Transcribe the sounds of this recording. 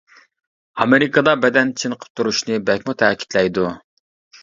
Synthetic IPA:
ɑmeɾɪkɑd̪ɑbɛd̪ɛnt͡ʃʰɨnqʰə̥p̚t̪ʰuɾuʃnɨbɛkʲmut̪ʰɛkʲʰi̥t̪lɛjd̪u

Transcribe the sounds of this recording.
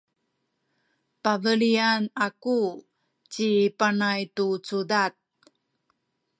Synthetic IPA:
pavəɭianaku | t͡ɕipanajtut͡sudat̪̚

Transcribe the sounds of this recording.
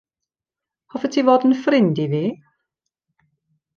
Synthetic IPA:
hɔfətʰivoːdən̩frɪndiviː

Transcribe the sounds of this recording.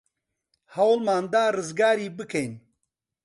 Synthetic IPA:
hɐwlmaːnd̪aːrɨzɡaːɾiːbɨkʰɐjn

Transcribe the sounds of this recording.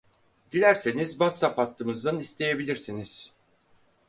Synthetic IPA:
d̪̥ilʲæɾsenizvat̪sapat̪ʰːɯmɯzd̪anist̪ʰe̞je̞bilʲiɾsiniz̥

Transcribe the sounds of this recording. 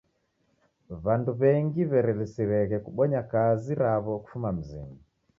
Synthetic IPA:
βanduβɛŋɡiβɛɾɛlisiɾɛɣɛkuɓɔɲakaziɾaβɔku̥fumam̩zḭmi

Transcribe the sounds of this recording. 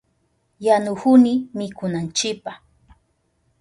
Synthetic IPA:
janʊhʊnɪmɪkʊnant͡ʃɪpah

